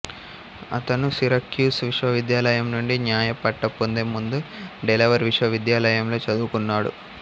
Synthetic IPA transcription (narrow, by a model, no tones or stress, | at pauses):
ɐ̰t̪ɐnusiɾɐkjuːsʋiʂʋɐʋid̪jaːlɐjɐmnuɳɖinjaːjɐpɐʈːɐpːond̪emːund̪uɖelɐʋɐɾʋiʂʋɐʋid̪jaːlɐjɐmlo̞ːt͡ʃɐd̪uːkunːaːɽṵ